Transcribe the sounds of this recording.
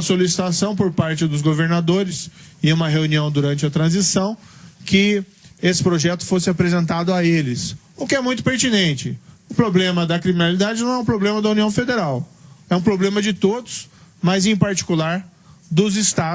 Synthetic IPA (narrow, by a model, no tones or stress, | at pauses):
ɐsolisi̥t̪asɐ̃w̃poɾpaɾt͡ʃɪd̪ʊzɡoveɾnad̪oɾɪsɪũmɐɦeuniɐ̃w̃d̪uɾɐ̃nt͡ʃɪɐt̪ɾɐ̃zisɐ̃w̃kɪ | esɪ̥pɾoʒɛt̪ʊ̥fosɪapɾezẽnt̪ad̪ʊaelɪs | ʊkɪɛmũj̃t̪ʊ̥peɾt͡ʃinẽnt͡ʃɪʊpɾoblẽmɐd̪ɐkɾiminalid̪ad͡ʒɪnɐ̃w̃ɛ̃ũpɾoblẽmɐd̪ɐũniɐ̃w̃fed̪eɾawɛũpɾoblẽmɐd͡ʒɪt̪od̪ʊsmɐzẽj̃paɾt͡ʃi̥kulaɾ | d̪ʊzɪst̪a